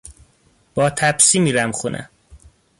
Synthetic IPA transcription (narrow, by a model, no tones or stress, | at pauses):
b̥ɒːt̪ʰæbsiːmiːɾæmxunʔæ̰